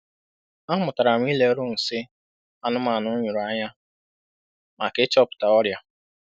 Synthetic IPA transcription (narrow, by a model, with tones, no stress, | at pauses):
a˦mʊ˨ta˨ɾa˨m˦i˦le˦ɾʊ˦n̩˨sɪ˦ | a˦nʊ˦ma˨nʊ˦ɲʊ˨ɾu˨a˦ɲa˦ | ma˨kɪ˦t͡ʃɔ˦pʊ̥˨ta˨ɔ˦ɾja˦